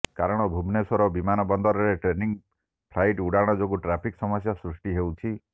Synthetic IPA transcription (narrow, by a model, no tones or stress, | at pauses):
kaɾɔɽ̃ɔbʱubnesɔɾɔbimanɔbɔnd̪ɔɾɔɾeʈɾeniŋ | pʰlajʈuɽaɽ̃ɔd͡ʒoɡuʈɾapʰiksɔmɔsjasɾusʈiɦewt͡ʃʰi